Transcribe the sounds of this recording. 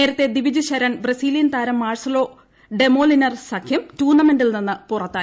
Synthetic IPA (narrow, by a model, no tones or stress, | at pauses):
e̞ːɾɐt̪ːe̞d̪iʋid͡ʑuɕɐɾɐnbrɐsiːlijɐnt̪aːɾɐmːaːrsɐlo̞ː | ɖe̞moːlinɐrsɐkʰjɐmtuːnːɐme̞nɖilninːɨpurɐt̪ːaː